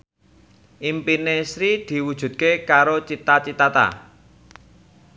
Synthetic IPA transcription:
ʔimpinesɾid̪̥i̤wud̥ʒ̥ṳt̪̚kekaɾot͡ʃit̪at͡ʃit̪at̪a̰

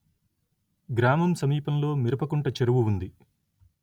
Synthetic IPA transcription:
ɡɾaːmɐmsɐmiːpɐmlo̞ːmiɾɐpɐkuɳʈɐt͡ʃeɾuʋuund̪i

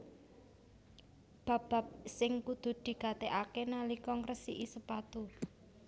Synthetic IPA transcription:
b̥ä̤b̥a̤p̚sɪŋkud̪̥ṳd̪̥i̤kat̪eʔakenalikɔŋrəsiʔisəpat̪u

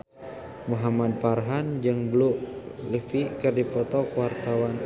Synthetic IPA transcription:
muɦamad̪̚parɦand͡ʒɨŋbluʔləfikɨrdipɔt̪ɔkwart̪awan

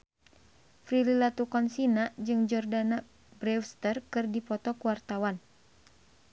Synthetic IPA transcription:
fɾililat̪ukɔnsinad͡ʒɨŋd͡ʒɔrdana | bɾɛfst̪ərkɨrdipɔt̪ɔkuwart̪awan

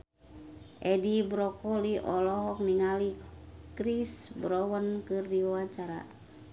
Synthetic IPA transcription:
ʔɛdibɾɔkɔliʔɔlɔɦɔk̚niŋalikɾisbɾɔwənkɨrdiwawaɲt͡ʃaɾa̰

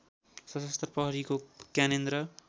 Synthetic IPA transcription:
sʌsʌst̪rʌpʌɦʌɾikokjanend̪ɾʌ

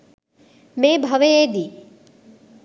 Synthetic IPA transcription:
meːbʱɐʋeed̪i

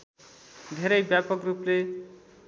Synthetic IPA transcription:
d̪ʱeɾʌjbjapʌkruple

